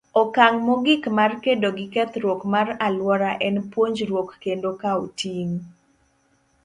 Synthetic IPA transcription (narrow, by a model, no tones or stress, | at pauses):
ɔkaŋmɔɡikmarkedoɡɪkɛt̪ɾwokmaralwɔɾaʔɛnpwoɲd͡ʒɾwokːendokaotʰiŋ